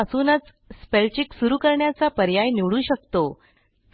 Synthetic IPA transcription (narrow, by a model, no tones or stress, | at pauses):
əsuːnət͡s | spelt͡ɕiksuɾuːkəɾɳjat͡sapəɾjajniʋɭuːɕəkt̪o